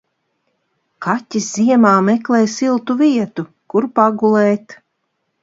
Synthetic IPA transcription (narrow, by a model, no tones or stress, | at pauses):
katʲisz̥iɛmaːmɛklˠɛjsilˠt̪uviɛt̪u | kuɾpaɡulˠɛːt̪